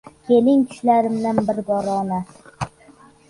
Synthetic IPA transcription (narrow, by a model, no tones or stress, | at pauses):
kʲʰe̞lɪŋkʰʲɪ̥ʃlaɾɪmnanbɪɾbɒɾɑːna